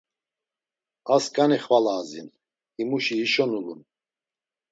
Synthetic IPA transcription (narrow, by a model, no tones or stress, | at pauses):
askʼaniχvalaːzḭn | imuʃiːʃɔnulun